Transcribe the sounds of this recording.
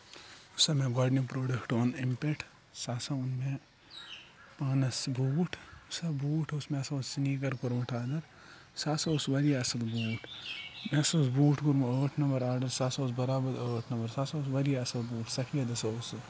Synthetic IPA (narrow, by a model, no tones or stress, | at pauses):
ʊsɐmẽɡaːɖnipɾoːɖɐkʈoːnimpeʈʰ | saːsɐʊnme | paːnɐsbuːʈʰʊsɐbuːʈʰosmeɐsɐʊssiniːkɐɾkuɾmɐʈʰaːd̪ɐɾ | saːsɐʊsʋɐɾiɐsɐlbuːʈʰmesɐsbuːʈʰkuɾmoːʈʰnɐmbɐɾaːɾɖɐɾsaːsɐʊsbɐɾaːbɐɾoʈʰnɐmbɐɾsaːsɐʊsʋɐɾijɐsɐlbuːʈʰsɐkʰijɐd̪ɐsɐʊs